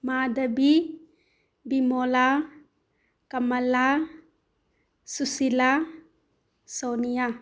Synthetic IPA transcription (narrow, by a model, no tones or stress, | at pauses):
mad̪əbi | bimola | kamala | susila | sonija